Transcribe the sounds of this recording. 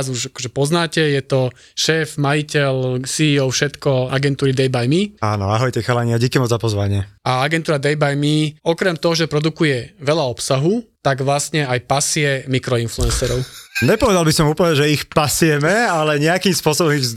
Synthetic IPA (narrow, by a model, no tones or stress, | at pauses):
zuʒakɔʒɛpɔznaːcɛjɛt̪ɔ | ʃɛːfmajicɛlsiːɔʊfʃɛt̪kɔaɡɛnt̪uːɾid̪ɛjbajmiaːnɔ̰a̰ɦɔjt̪ɛxalaɲɪaɟɛkɛmɔd͡zzapɔzʋaɲɪɛaaɡɛnt̪uːɾad̪ɛjbajmiɔkɾɛmt̪ɔɦɔʒɛpɾɔd̪ukujɛʋɛʎaɔpsaɦut̪aɡʋlasɲɛajpasɪɛmikɾɔinfluɛnsɛɾɔʊɲɛpɔʋɛd̪albisɔmuːpəl̩ɲɛʒɛixpasɪjɛmɛalɛɲɛakiːmspʊɔsɔbɔmiɣz